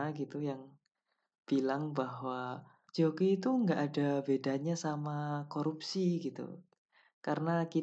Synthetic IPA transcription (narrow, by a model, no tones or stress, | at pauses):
ɡit̪ujaŋ | b̥ilaŋbaɦwa | d͡ʒokiːt̪uŋɡaʔadabedaɲasamakoɾupsiɡit̪ṵ | kaɾənaki